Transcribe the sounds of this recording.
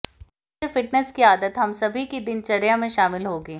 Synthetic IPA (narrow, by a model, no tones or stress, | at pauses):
efɪʈnəskiaːd̪ət̪ɦɐmsɐbʱikid̪ɪnt͡ʃɐɾjamẽʃaːmɪlɦoːɡeː